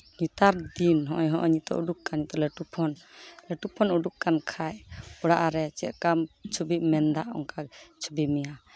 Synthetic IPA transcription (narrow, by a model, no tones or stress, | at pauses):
ɲut̪aɾd̪inɦɔ̃ʔɔjɦɔ̃ʔɔɲit̪ɔ̰ʔuɖukkanɲit̪ɔlɛʈupʰɔnlɛʈupʰɔnuɖukkankʰajɔɽaʔaɾɛt͡ʃɛ̰ʔ̪̚kamt͡ʃʰubiʔmɛnd̪aʔɔ̰ŋkat͡ʃʰubimija